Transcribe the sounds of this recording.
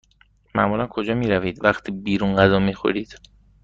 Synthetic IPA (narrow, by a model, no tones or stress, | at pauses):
mæʔmuːlænkʰod͡ʒɒːmiːɾæviːd̪væχt̪ʰiːbiːɾunɢæzɒːmiːxo̰ɾiːd̪̥